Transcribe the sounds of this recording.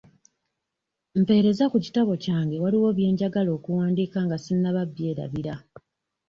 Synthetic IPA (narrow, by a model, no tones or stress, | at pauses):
m̩pe̞ːɾe̞zakuci̥taβo̞caːŋɡe̞waliwo̞ːβje̞ːɲɟaɡalo̞ːkuwaːndiːkaŋɡasinːaβabje̞ːɾa̰βiɾa